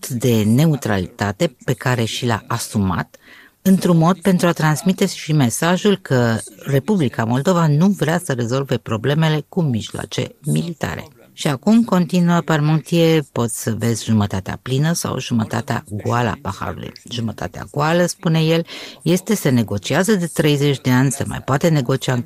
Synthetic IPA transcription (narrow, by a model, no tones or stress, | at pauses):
t̪d̪e̞ne̞ut̪ɾa̰lit̪at̪e̞pe̞kaɾe̞ʃila̰ʔasuma̰t̪ | ɨnt̪ɾunmo̞d̪̚pe̞nt̪ɾuat̪ɾansmit̪e̞ʃime̞saʒulkʰəre̞publikamo̞ld̪o̞vanuvɾeasəɾe̞zo̞lve̞pɾo̞ble̞me̞le̞kumiʒloa̰t͡ʃe̞̰milit̪a̰ɾe̞̰ | ʃiakumko̞nt̪inuəparmunt̪iepo̞t̪sʲsəve̞zʲʒumət̪at̪ea̰plinəsa̰wʒumət̪a̰t̪ea̰ɡwala̰paxa̰ɾṵlṵjʒumət̪ʰa̰t̪ea̰ɡualəspune̞je̞lje̞st̪e̞sene̞ɡo̞t͡ʃiazəd̪e̞t̪ɾe̞jze̞t͡ʃʲd̪e̞anʲsə̰ma̰jpoat̪e̞ne̞ɡo̞t͡ʃia